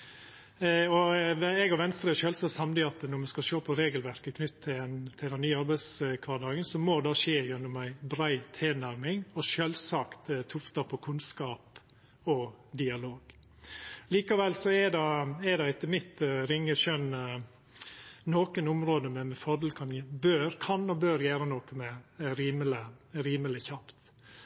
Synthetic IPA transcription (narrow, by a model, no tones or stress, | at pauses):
ɔɛɡɔʋɛnst̪ɾəʃøːlsəsɑmd̪ɪɑt̪nɔmɛskɑʃoːpʰɔɾeːɡəlʋæɾkəkʰnʏt̪ʰːɪt̪ʰɪld̪ɛnːyːɑɾbæɪskʰʋɑːdɑːɡənsɔmod̪ɑːʂeːjɛnːʊmæɪbɾæɪt̪ʰeːnæɾmɪŋɔʃølsɑkt̪t̪ʰʊft̪ɑpʰɔkʰʉnskɑːp | ɔd̪ɪɑloːɡ̥ | liːkɑʋɛlsɔɛdɑɛd̪ɑɛt̪ːəmɪt̪ɾɪŋːəʃœn | noːkənʊmɾoːd̪əmɛmɛfɔɾd̪lkʰɑnbøːɾkʰɑnɔbøːɾjæːɾənoːkəmɛɾiːmələɾiːməlɪçɑpt̪